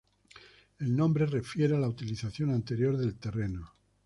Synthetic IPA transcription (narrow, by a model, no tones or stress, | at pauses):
e̞lnõ̞mbɾe̞re̞fje̞ɾealaut̪iliθaθjo̞nant̪e̞ɾjo̞ɾðe̞lt̪e̞re̞no